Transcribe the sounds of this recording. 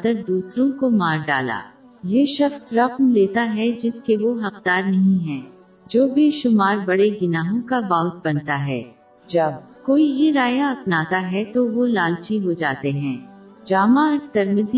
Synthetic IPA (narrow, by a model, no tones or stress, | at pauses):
d̪əɾd̪uːsɾõkomaːɾɖa̰ːla̰ː | jeʃɐxsɾɐqmleːt̪aɦɛd͡ʒɪskeʋoɦɐqd̪aːɾnɐɦĩɦɛ̃ː | d͡ʒoːbʱiʃʊmaːɾbɐɽeɡɪnaːɦõkabaːʊsbɐnt̪aɦɛ̰ː | d͡ʒɐb̚koːiɦiɾaːjaɐpnaːt̪aɦɛt̪oʋolaːlt͡ʃiɦod͡ʒaːt̪eɦɛ̃ː | d͡ʒaːmaɾt̪ɐɾməz